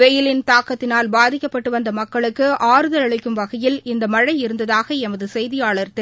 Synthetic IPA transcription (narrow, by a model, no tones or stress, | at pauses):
ɛjɪlɪnt̪aːkɐt̪ːɪnaːlbaːðɪkːɐpːɐʈːɯʋɐnd̪ɐmɐkːɐɭɯkːɯaːɾɯðɐlɐɭɪkːɯmʋɐɣɐjɪlɪnd̪ɐmɐɻɐɪɪɾɯnd̪ɐðaːɣɐɛmɐðɯsɛjðɪjaːɭɐɾt̪ɐ